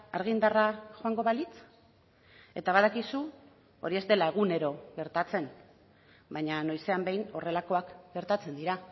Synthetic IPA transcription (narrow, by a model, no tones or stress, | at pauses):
aɾɣ̞ind̪araxoaŋɡo̞βalit͡s | e̞̰t̪aβaðakisu | o̞ɾie̞zd̪e̞lae̞ɣ̞une̞ɾo̞ɣe̞ɾt̪at͡se̞n | bajɲano̞jse̞ambe̞jno̞re̞lako̞akɡe̞ɾt̪at͡se̞nd̪iɾa